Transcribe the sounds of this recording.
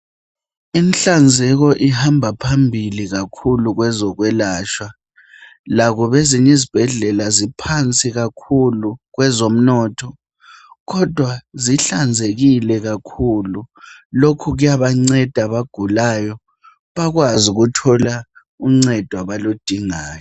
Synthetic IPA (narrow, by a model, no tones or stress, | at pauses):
inɬand͡zʱɛɣ̬ɔʔihambʱapʰambʱiliɣakʰuluɣwɛzɔɣwɛlaːt͡ʃwa | laɣuβeziɲɛzib̥ʱɛɮɛlazipʰant͡sʼiɣakʰuluɣwɛzom̩nɔːtʰɔ | ɣɔd̥ʱwaziɬand͡zʱeɣilɛɣakʰululokʰuɣujaβaŋ͡ǀɛd̥ʱaβaɡ̥ʱulaːjɔ | βaɣwazuɣutʰɔla | uŋ͡ǀɛd̥ʱwaβalod̥ʱiŋaːjɔ